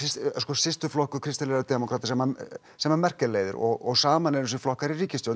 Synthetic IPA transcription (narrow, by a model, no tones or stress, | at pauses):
ɪsskɔːsɪst̪ʏflɔhkʏkʰɾɪst̪ɪlɛɣat̪ɛmɔkʰɾat̪ḁsɛma | sɛmamɛr̥cɪleːjðʏ̰ɾɔ̰ɣɔɣsaːmanɛɾɪs̬ɪflɔhkaɾiriːcɪst̪ow̪